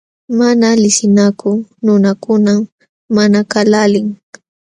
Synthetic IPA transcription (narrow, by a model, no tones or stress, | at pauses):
manalɪsɪnakʊnʊnakʊnam | manakalalɪŋ